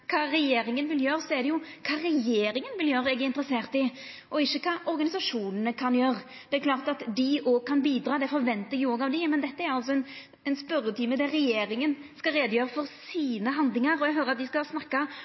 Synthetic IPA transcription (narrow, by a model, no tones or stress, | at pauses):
kʰɑːɾɛjeːɾɪŋənʋɪljøːɾəsɔɛɾd̪ɛjʊkʰɑːɾɛjeːɾɪŋənʋɪljøːɾəɛɡæɾɪnt̪əɾəseːʁt̪ɪ | ʔɔɪçːəkʰɑːʔɔɾɡɑnɪsɑʂuːnənəkʰɑnjøːʁ | d̪̥ɛæɾklɑːʁt̪ɑt̪d̪ɪʔoːɡ̚kʰɑnbiːd̪ɾɑːd̪ɛfɔɾʋɛnt̪əɛɡjʊoːɡɑʋd̪ɪmɛnd̪ɛt̪ːəæɾɑls̬ɔɛn | ɛnspœɾət̪ʰiːməd̪ɛɾɛjeːɾɪŋənskɑɾeːd̪əjøːɾəfɔɾsiːnəɦɑnd̪lɪŋɑɾɔɛɡɦøːɾəɑt̪̚d̪ɪskɑsnɑkːɑ